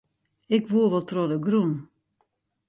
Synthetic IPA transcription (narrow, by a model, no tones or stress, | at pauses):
ɪkʋuəʋɛlˠtrodəɡrun